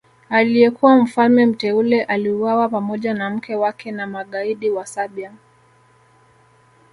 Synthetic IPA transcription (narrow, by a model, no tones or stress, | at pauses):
alijɛkuwam̩falmɛm̩tɛulɛʔaliuwawapamɔʄanam̩kɛwakʰɛnamaɠaiɗiwasaɓia